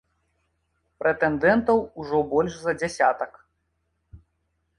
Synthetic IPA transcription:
pɾɛt̪ɛnd̪ɛnt̪ɐwuʐɔbɔlʲʂzɐd͡zʲasʲa̰t̪ɐk

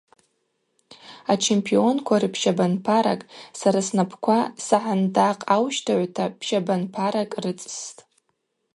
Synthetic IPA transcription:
at͡ʃʰempʰio̞nkʷʰarɨpʰʃabanpʰaɾa̰kʼsaɾasnapʰkʷʰasaħandaqʼawʃtʰaʕʷtʰapʰʃabanpʰaɾakʼrɨt͡sʼstʼ

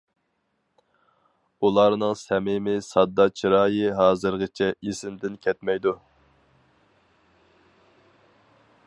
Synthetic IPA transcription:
ulˠɑɾnɨŋsɛmɪmɪsɑd̪ːɑt͡ʃʰiɾɑːjɨɦɑːzɨɾʁɨt͡ʃʰɛʔisɪmd̪ɪnkʲʰɛt̪mɛjd̪u

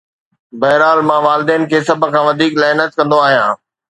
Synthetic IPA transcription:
bɐːɦɾaːlmãʋaːlɪd̪ɛːnɪ̆kʰeːsɐb̆ʱkʰãːʋɐd̪ʱiːklɛːnət̪̚kɐ̃nd̪oaːɦijãː

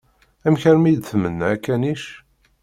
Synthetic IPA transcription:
æmçəɾmijd̪θəmənːæækːæniʃ

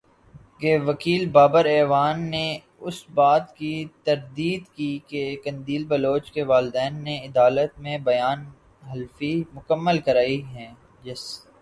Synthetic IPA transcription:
keʋɐkiːlbaːbəɾɛːʋaːnːe | ʊsbaːt̪kit̪ɐɾd̪iːd̪kikekɐ̃nd̪iːlbɐloːt͡ʃkeʋaːlɪd̪ɛːnːeɪd̪aːlət̪mẽbɐjaːn | ɦɐlfimʊkəmːəlkɐɾaːiɦɛ̃ː | d͡ʒɪs

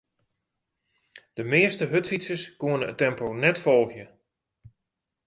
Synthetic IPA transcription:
d̥əmɪəstəɦøtfitsəskuənəə̰tɛmpownɛtfɔlˠɣjə

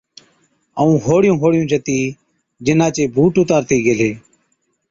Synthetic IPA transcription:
əũːɦoːɽɪjũːɦoːɽɪjũːt͡ʃʰət̪iː | d͡ʒɪnaːt͡ʃeːbʱuːʈʊt̪aːɾt̪iːɡeleː

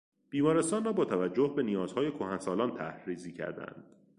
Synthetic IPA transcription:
b̥iːmɒːɾe̞st̪ɒːnrɒːbɒːt̪ʰævæd͡ʒːohbe̞nijɒːz̥hɒːje̞kʰohænsɒːlɒːnt̪ʰæ̰hɾiːziːcʰæ̰ɾd̪æ̰nd̪̥

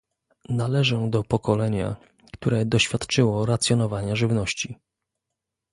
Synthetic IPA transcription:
nalɛʐɔ̃d̪ɔpɔkɔlɛɲa̰ | kt̪uɾɛd̪ɔɕfʲjat̪t͡ʂɘwɔɾat̪sʲjɔn̪ɔvaɲaʐɘvnɔɕt͡ɕi

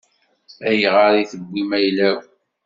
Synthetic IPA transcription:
æjʁəɾiθəbʷːimæjlæw

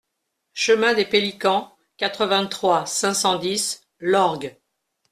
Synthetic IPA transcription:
ʃəmɛ̃d̪epelikɑ̃ | kat̪χəvɛ̃t̪χwasɛ̃sɑ̃d̪is | lɔʁɡ

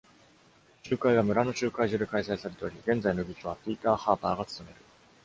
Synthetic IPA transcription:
t͡ɕɨːkaiβamɯ̟ɾano̞t͡ɕɨːkaiʑɨd̪ekaisaisaɾe̞t̪eo̞ɾʲiɡẽ̞nd͡zaino̞ɡʲikʲoβ̞apʲiːt̪aːhaːbaːɡat͡sɨ̥t̪o̞me̞ɾɯ̟

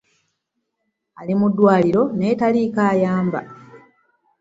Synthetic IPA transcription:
alimudːwaːliɾo̞ne̞ːtaliːkaːjaːmba̰

